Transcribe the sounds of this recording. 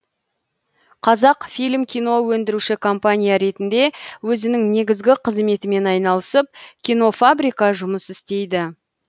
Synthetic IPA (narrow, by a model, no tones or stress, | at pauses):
qʰɑzɑqfijlʲmkʲʰijno̞wɵnd̪ɪɾuʃɪkʰo̞mpanʲijaɾe̞t̪ɪnd̪e̞wɵzɪnɪŋne̞ɡʲɪzɡʲɪqʰəzme̞t̪ɪme̞nɑjnɑlˠəsəp̚kʲijno̞fabɾijkɑʒʊməsɪst̪e̞jd̪ɪ